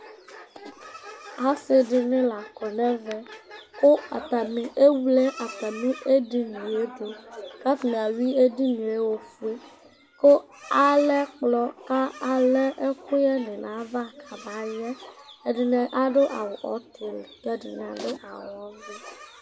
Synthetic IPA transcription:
a˦se˦ɖi˨nẽ˦la˨kɔ˨nɛ̃˦vɛ˦ko˦a̰˨t̪a˨mĩ˨ʔe˦wu˦le˦ʔa˨t̪a˨mĩ˦ʔe˦ɖi˦nĩ˨e˦d̪o˨ka˦fi˨ñ˨a˨wi˦e˦di˦nĩ˨e˦wo˦fu˦e˦ | ko˦ | a˨lɛ˦k͡plɔ˦ka˦a˨lɛ˦ʔe˦xo˦jɛ˦nɛ̃˨nã˨˦va˦˨kʰa˨ba˨˦jɛ˦e˨ɖi˨nɛ̃˨ʔa˦ɖo˦ʔa˨wo˨ʔɔ̰˨˦t̪ʰe˨lk̪ɛ˦ɖḭ˨n˨ã˨be˦ʔa̰˨wɔ˦ve˦

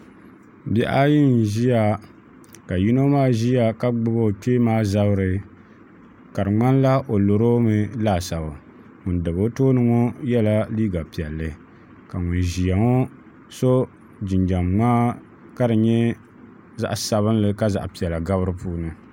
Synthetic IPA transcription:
bɛ˦ʔa˦ji˦n˨ʒi˦ja˨ | ka˨ji˦no˦maː˦ʒi˦ja˨ka˦ɡ͡bɨ˦bo˦˨k͡peː˦maː˦za˦bɨ˦ɾɨ˨ | ka˨ɾɨ˨ŋ͡ma˦n˦la˦ʔo˨lo˨ɾo˦mɨ˨laː˦˨sa˨ba˨ | ŋʊ˨ndɨ˨bo˦toː˦nɨ˦ŋo˦jɛ˦la˦liː˦ɡa˨pi˨ɛ˨lːɨ˨ | ka˨ŋʊ˨n˨ʒi˨ja˨ŋo˦ | so˦ | d͡ʒɪ˨ɲd͡ʒa˨mŋ͡maː˦ | ka˦dɨ˨ɲɛ˦ | za̰˨ʔsa˨βɨ˦n˦lɨ˨ka˦za̰˨ʔpi˨ɛ˨la˨ɡa˦βɨ˦ɾɨ˦puː˦nɨ˨

